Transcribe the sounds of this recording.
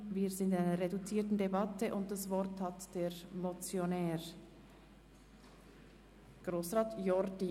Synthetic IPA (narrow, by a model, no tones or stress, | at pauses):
viːzɪndɪnaɪnəʁedut͡siːtn̩debɑtəʔʊnt̚d̥asvɔɾthatd̥eːɾmot͡sjonɛːɾ | ɡ̥ʁoːsʁɑːtjɔɾdi